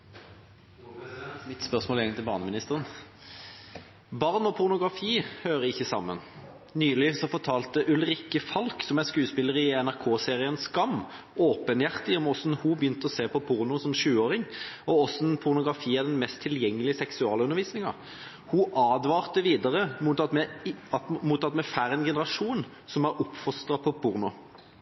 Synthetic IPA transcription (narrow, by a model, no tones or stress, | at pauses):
ɪt̪spœʁsmoːljɛŋt̪ʰɪlbɑʁnəmɪnɪst̪əʁən | bɑʁnɔpʰʊʁnʊɡʁɑfiːhøːʁəɪçːəsɑ̰mːə̰n | nyːlɪsɔfɔʁt̪ʰɑːlt̪əʔʉlʁɪkəfɑlksɔmɛnskʉːspɪləʁəɪɛnæʁkʰoːseːʁɪənskɑmː | oːpənjæʁt̪ɪɔmɔsnhubjʏnt̪əɔseːpɔpʰʊɾnʊsɔmʃʉːoːɾɪŋɔɔsnpʰʊɾnʊɡɾɑfiːæd̪ɛnmɛst̪ʰːɪljɛŋːəlɪəsɛksʉɑ̰ːləʉnəɾʋiːsnɪŋɑ̰ | huʔɑːd̪ʋɑːʁt̪əʋiːd̪əʁəmuɑmɛɑmuːt̪ɑt̪mɛfæːɾɛnɡɛnəɾɑʂuːn | sɔmæɾʔʊpfɔst̪ʁɑpʰɔpʰʊʁnʊ